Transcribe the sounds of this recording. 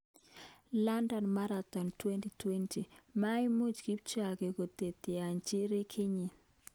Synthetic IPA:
la˦ndɔ˨nma˦ɾat̪ɔ˨ntwe˦nti˨twɛ˦nti˨ma˦i˦mu˦t͡ʃki˦p̚t͡ʃa˨ɡe˨ko˨t̪e˨t̪i˨a˨ɲt͡ʃi˦ɾi˦kʰi˦ɲi˨

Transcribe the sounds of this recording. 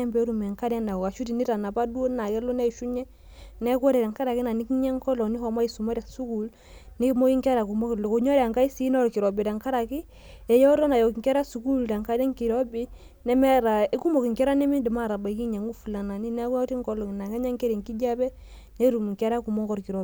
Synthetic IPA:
ɛ˦mbɛ˦ɾu˨m˨ɛ˨ŋka˦dɛ˦na˨ɔ˨ka˨ʃu˦ti˨ni˦ta˨na˨pa˦du˦o˦na˨kɛ˦lo˦nɛ˦˨ʃu˦ɲɛ˦ | nɛ˦kɔ˦ɾɛ˨ɾa˨ŋka˦ɾa˨ki˦na˨ni˦ki˦ɲɛ˦ŋkɔ˦lɔ˨ni˦hɔ˨ma˦i˨su˨ma˦ɾɛ˨su˦ku˨l | ni˦mo˦i˦ŋkɛ˦ɾa˨ku˨mɔ˦ki˨lo˨ko˨ɲɔ˦ɾa˨ŋka˦i˦si˦nɔ˦ɾki˨ɾɔ˨bɛ˨ta˨ŋka˦ɾa˨ki˦ | ɛ˨jɔ˦ɾɔ˦na˨jɔ˨ki˨ŋkɛ˦ɾa˦su˨ku˦lda˨ŋka˨˦dɛ˦ŋki˨ɾɔ˦bi˦ | nɛ˦mɛ˦ɾa˨e˦ku˦mo˨ki˨ŋkɛ˦ɾa˦nɛ˦mi˦ndi˨ma˦˨ɾa˨ba˨ki˦ɲa˨ŋu˦fu˨la˨na˨ni˦nɛ˦kti˦ŋ˦kɔ˦lɔ˨ŋi˨na˨kɛ˦ɲa˦ŋkɛ˦ɾɛ˨ŋki˦d͡ʒa˦bɛ˦ | nɛ˦ɾu˨m˨ŋ˨kɛ˦ɾa˦ku˨mɔ˦ŋkɔ˦ɾki˨ɾɔ˨

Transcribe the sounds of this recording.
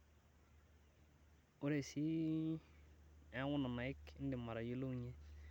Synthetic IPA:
ʊ˦ɾe˨si˦ | a˦wʊ˦na˨na˨ɪ˦kɪ˦n̩˦dɪ˨ma˨ɾa˨ji˦lo˦˨ɲɛ˦

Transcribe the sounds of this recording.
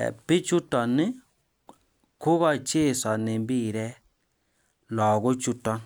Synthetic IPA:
ɛ̰˨pɪ˦t͡ʃu˦tɔ˨nɪ˦ | kʊ˦ɣɔ˦˨t͡ʃe˦˨sɔ˨nɪ˨mbi˦˨ɾɛ˦ | lɔ˨ɣʊ˦t͡ʃu˦tɔ˦

